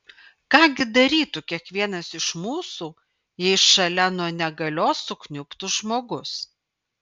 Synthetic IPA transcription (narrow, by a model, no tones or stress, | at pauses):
kɑːɡʲɪd̪ɐɾʲiːt̪ʊkʲiɛkʋʲiɛnɐsɪʃmuːsuː | jɛɪʃʃɐlʲɛnuɔnʲɛɡɐlʲoːsʊknʲʊpt̪ʊʒmoːɡʊs